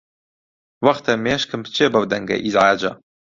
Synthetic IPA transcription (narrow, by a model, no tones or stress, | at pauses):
wɐχt̪ʰɐmeːʃkʰɨmpʰt͡ʃʰebɐwd̪ɐŋɡɐ̰ʔizʕaːd͡ʒɐ